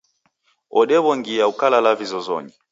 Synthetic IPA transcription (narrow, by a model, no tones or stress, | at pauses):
ɔɗɛβɔŋɡijaukalalavizɔzɔ̰ɲi